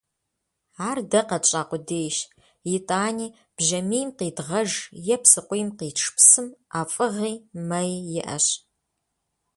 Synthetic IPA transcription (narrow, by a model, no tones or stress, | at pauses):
aːrdɐqɐt͡ʃʼaːqʷʊdeːjʃ | jɪtʼaːniː | b̥ʒɐmiːjmqiːdʁɐʒjɛpsɨqʷʊjmqiːʈ͡ʂʰpʰsɨmʔaːfʼɨʁiːmɐjjɪ̰ʔɐ̰ɕ